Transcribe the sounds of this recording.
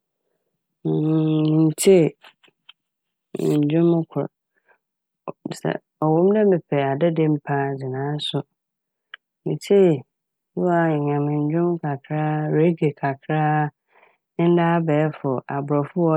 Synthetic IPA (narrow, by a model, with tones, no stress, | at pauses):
nĩ˨n˨t͡ɕʰe˦˨ | ɲ̩˨d͡ʑᶣʊ̃˦mʊ˦kʰʊ̰˨ɾ | sɛ̰˨ | ɔ˨wɔ̃˦m˦nɛ̃˦mɪ˨pʰɛ˨a˨dɛ˦dẽ˦m̩˦pʰã˦˨d͡ʑɪ˨nãː˨˦sʊ˦ | nĩ˨t͡ɕʰe˦˨ | u˦wa˨ɲã˨mɪ̃˨ɲ̩˨d͡ʑᶣʊ̃˦m˦kʰa˨kʰɾa˦ɾe˦ɡe˨kʰa˨kʰɾaː˦ | n̩˦daː˦bɛː˨˦fʊ˨ʔa˨bʊ˨ɾɔ˨fʊ˦ɔ˦